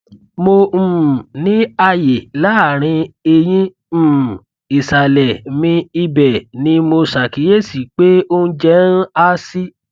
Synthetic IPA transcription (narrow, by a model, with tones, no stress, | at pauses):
mõ˧˨nĩ˨˦a˧je˨la˦a˦˨ɾ̃ĩ˧e˧j̃ĩ˦˨ | i˨sa˨lɛ˨mĩ˧i˧bɛ˨nĩ˦mo˧sa˨ki˨˦je˦˨si˨k͡pe˦o˦n̩˦d͡ʒɛ˦n̩˦a˦si˦